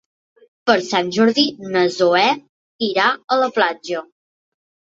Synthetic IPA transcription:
pəɾsanʲʒɔɾðinəzoɛ | iɾaələplad͡ʒə

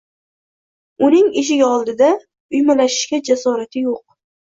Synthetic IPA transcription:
ʊnɪŋeʃ̬ɪɡʲaɒlˠd̪ɪd̪a | ʊjmalaʃɪ̥ʃkʲad͡ʒasɒɾat̪ʰɪjoq̚

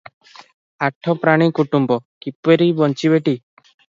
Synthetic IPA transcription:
aʈʰɔpɾaɽ̃ikuʈumbɔkipeɾibɔnt͡ʃibeʈi

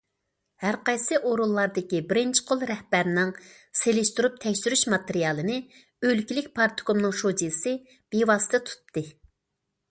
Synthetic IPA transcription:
hæɾqɑjsɨʔoɾulˠːɑɾd̪ɪkʲibɪɾɪnt͡ʃʰɪ̥qʰolˠɾɛhbæɾnɪŋ | selɪʃt̪uɾup̚t̪ʰɛkʲsyɾyʃmɑt̪eɾijɑːlˠɨnɪ | ølkʲilɪk̚ʲpʰɑɾt̪komnɨŋʃod͡ʒisɪ | b̥ewɑːsɨ̥t̪ɨt̪ʰu̥t̪ːɨ

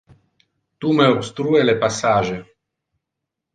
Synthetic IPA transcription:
t̪umeopst̪ɾuelepasaːʒe

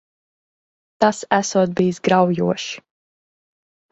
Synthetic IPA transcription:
t̪asæsuɔt̪̚biːsɡɾawjuɔʃi̥

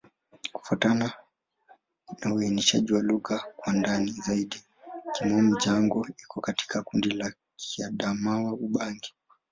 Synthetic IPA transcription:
ku̥fatana | nauɛniʃa̰ʄiwaluɣakwandanizaiɗi | kimɔmiʄaŋɡɔikɔkati̥kʰakundila | kʰiaɗamawauɓaŋɡi̥

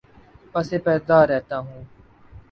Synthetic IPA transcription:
pəseːpɛːɾd̪aːɾːɛːt̪aːɦũː

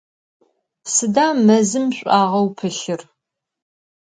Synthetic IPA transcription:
sɨdaːmɐzɨmɕʷʼaːʁɐwpʰɨɬɪr

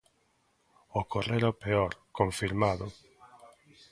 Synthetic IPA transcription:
okoreɾopeoɾkoɱfiɾmaðo

